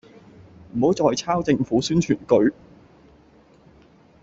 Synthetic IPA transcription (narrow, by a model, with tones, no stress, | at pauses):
m̩˨˩ho˨˥wt͡sɔː˧jt͡sʰaː˥wt͡sɪ˧ŋfuː˨˥syː˥nt͡ʃʰyː˨˩nkɵ˨˧ɥ